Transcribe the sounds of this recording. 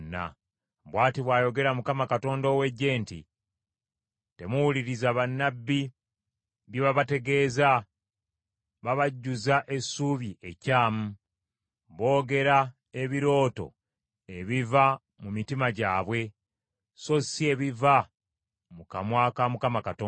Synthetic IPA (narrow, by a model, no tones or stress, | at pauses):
nːa̰ | βwaːtiβwaːjo̞ɡe̞ɾamukamakato̞ːndoːwe̞ɟːe̞ːntḭ | te̞muwuliɾizaβanːabːi | βjeβaβate̞ɡe̞ːza | βaβaɟːuzaʔe̞suːβjiʔe̞caːmu | βo̞ːɡe̞ɾa | e̞βiɾo̞ːto̞̰ | e̞βiva | mumitimaɟaːβwe̞ | so̞sie̞βiva | mukamwaːkamukamakatoː